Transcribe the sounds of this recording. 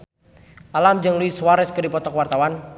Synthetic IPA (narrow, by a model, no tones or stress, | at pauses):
ʔalamd͡ʒɨŋluiswaɾɛskədipɔt̪ɔkwart̪awan